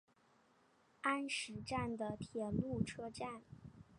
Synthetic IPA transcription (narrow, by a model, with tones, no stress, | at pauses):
a˥nʂɻ̩˧˥ʈ͡ʂa˥˩nd̪ə˩t̪ʰjɛ˨˩lu˥˩ʈ͡ʂʰɤ˥ʈ͡ʂa˥˩n